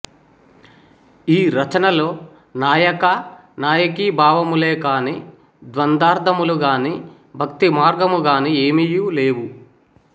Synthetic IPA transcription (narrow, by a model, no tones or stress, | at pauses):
iːɾɐt͡ʃɐnɐlo̞ː | naːjɐkɐ | naːjɐk̬iːbʱaːʋɐmuleːkaːni | d̪ʋɐnd̪aːɾd̪ʰʱɐmuluɡaːni | bʱɐkt̪imaːɾɡɐmuɡaːnieːmijule̞ːwu